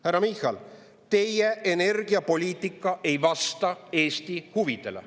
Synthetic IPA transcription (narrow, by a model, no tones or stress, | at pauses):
hæɾːɑmihːˑɑl | t̪e̞jeʔene̞rɡ̥iɑpo̞lʲiːt̪ˑikːˑɑʔe̞jvɑst̪ɑe̞ːst̪ihuvid̪̥e̞̰lḛ